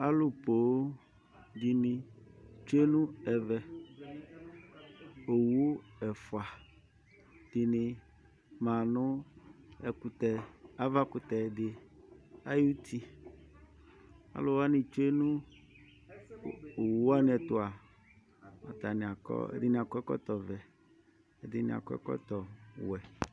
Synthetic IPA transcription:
a˦lʊ˨po˨˦ | ɡi˨nɪ̃˨t͡ʃe˦nũ˦ɛ˨vɛ˨ | o˨wu˦ɛ˨fʊ˨a˨ | d̥i˨nɪ˨ | mã˨nʊ˦ | ɛ˨kʊ˨t̪ɛ˨a˦va˦kʊ˨t̪ɛ˨dɪ˨ | a˦ju˦t̪i˦ | a̰˨˦lʊ˨wa˦nɪ˨t͡ʃe˦nũ˦ | o˨wu˦a˦n˨ɛ˨t̪ʊ˦a˨ | ɔ˨t̪a˨nɪ̃˨a˨kɔ̰˦ɛ̰˦dɪ˦nɪ̃˨a˨kɔ˦ɛ˦kɔ̰˦t̪ɔ˨vɛ˨ | ɛ˨dɪ˦nɪ̰̃˨a̰˨kɔ̰˦ɛ̰˦kɔ̰˦t̪ɔ˨wɛ˨

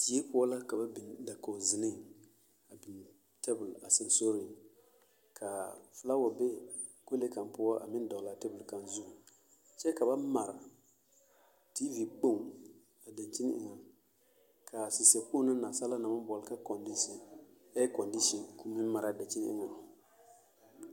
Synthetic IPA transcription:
ti˨˦e˦pʊ˦ɔ˦la˦ka˨ba˦bi˨da˨ko˨zɪ˨nɪ˦ | a˨bi˨n | tɛ˦bʊ˨la˨sɪ˦n˦so˦ɾi˨ | kʰa˨fɨ˨la˦wɔ˨be˦ | ko˦le˦ka˨npʊ˦ɔ˦ʔa̰˨mɪ˦n˦dɔ˨ɣla˨tɛ˦bʊ˨lka˨nzu˦˨ | t͡ʃɛ˦ka˨ba˦ma˨ɾa˨ | ti˦vi˨k͡po˦˨ŋ | a˨da˨nt͡ʃi˦n˦ɪ̰˨ŋa˨ | kʰa˨si˨sɛ˨ku˦na˦na˨sa˦la˦na˨ma˦bɔ˨lka˦kɔ˨ndi˦si˨ | ɛ˦kɔ˨ndi˦ʃi˨nku˦mɪ˦n˦ma˨ɾa˨da˨t͡ʃi˦n˦ɪ̰˦ŋa˨

